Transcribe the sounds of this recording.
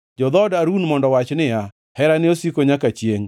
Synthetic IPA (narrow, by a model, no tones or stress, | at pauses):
d͡ʒɔd̪ɔdaɾunmɔndɔwat͡ʃnɪa | hɛɾanɪosikoɲakat͡ʃjeŋ